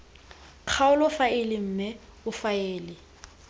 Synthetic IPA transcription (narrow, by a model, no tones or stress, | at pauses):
q͡χʰaʊlɔfaɪlɪm̩ːmɛ | ʊfaɛːlɪ